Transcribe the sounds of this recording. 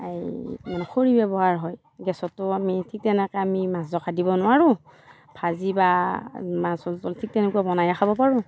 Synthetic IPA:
aimanɛxoɹibɛbɔɦaɹɦɔj | ɡɛsɔtːʊamitʰik̚tɛnɛkɛamimas̬zɔkadibɔnʊwaɹʊ̃ | pʰazibamasɔltɔltʰik̚tɛnɛkuabɔnajaxʰabɔpaɹʊ̃

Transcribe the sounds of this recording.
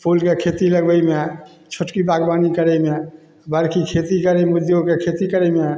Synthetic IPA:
pʰulkekʰet̪iləɡbəjme | t͡ʃʰoʈkibaɡbanikəɾəme | bəɾkʰikʰet̪ikəɾəmud̪ʱjokekʰet̪ikəɾəme

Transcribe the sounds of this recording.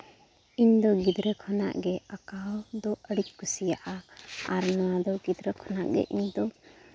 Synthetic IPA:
iɲd̪ɔɡid̪ɾɛkʰɔna̰ʔɡɛakad̪ɔəɽic̚kusijaʔaaɾnɔw̃ad̪ɔɡid̪ɾɛkʰɔnaʔɡɛ̰ʔiɲd̪ɔ

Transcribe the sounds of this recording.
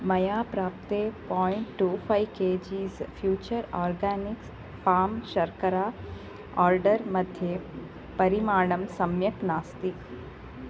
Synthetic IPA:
mɐjaːpɾaːpt̪epɔːɪɳʈːuːfʰajkeːd͡ʒiːzfʰjuːt͡ʃəɾɔːɾɡaːnɪks | paːmʃɐɾkəɾaː | ɔːɾɖəɾmɐd̪ʱje | pɐɾimaːɳ̃ɐmsɐmjɐknaːst̪ik

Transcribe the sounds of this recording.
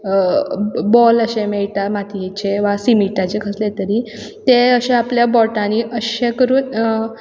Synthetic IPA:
bɔləɕemɛɭʈamat̪ʰiet͡ɕeʋasimiʈat͡ɕekʰəslet̪əɾi | t̪eəɕeapljabɔʈaniʔəɕekəɾuːn

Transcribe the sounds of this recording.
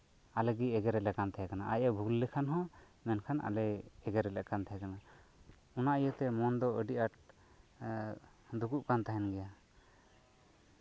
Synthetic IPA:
alɛɡiɛɡɛɾɛlɛkant̪ʰajakanaajəbʱulːɛkʰanɦɔ̃ | mɛnkʰanʔa̰lɛɛɡɛɾɛlɛʔkant̪ʰajakana | ɔnaʔijət̪ɛmɔnd̪ɔəɖiʔaʈ̚ | d̪ukuʔkant̪aɦɛnɡɛja

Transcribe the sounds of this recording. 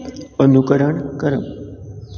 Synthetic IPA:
ənukəɾəɳkəɾəm

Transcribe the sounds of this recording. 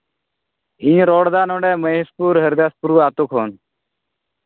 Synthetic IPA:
ĩɲɾoːɽd̪aːnõːɳɖɛːməɦɪspuːɾɦəɾd̪eːspuɾuːaːt̪ukʰɦoːn

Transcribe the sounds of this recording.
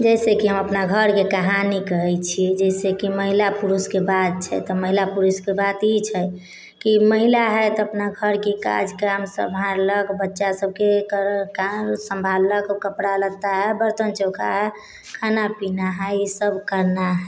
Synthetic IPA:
d͡ʒɛsekiɦəməpnaɡʱəɾkekəɦanikəɦɛt͡ʃʰid͡ʒɛɪsekiməɦilapuɾuskebad̪̚t͡ʃʰɛ̰t̪ɔməɦilapuɾuskebat̪it͡ʃʰɛ | kiməɦilaɦɛt̪ɔəpnaɡʱəɾkika̰d͡ʒkamsə̰bʱaɾləkbətːʃasəb̚ʱkekəkasəmbʱalləkkəpɽalət̪aɦɛbəɾt̪ənt͡ʃɔkaɦɛ | kʰanapinaɦɛisəbkəɾnaɦɛ

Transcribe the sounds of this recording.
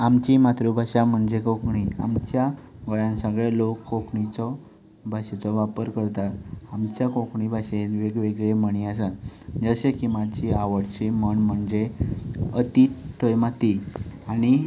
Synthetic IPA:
amt͡ɕimat̪ɾubʱaɕam̤əɳd͡ʑekokɳia̰mt͡ɕjaɡɔjãnsə̃ɡɭelokːokɳit͡sɔ | bʱaɕet͡sɔʋapəɾkəɾt̪at̪amt͡ɕjakokɳibʱaɕenʋeɡʋeɡɭeməɳias̬and͡zəɕekimad͡ʑiaʋəɽt͡ɕiməɳm̤əɳd͡ze | ət̪it̪ʰːəjmat̪iaɽ̃i

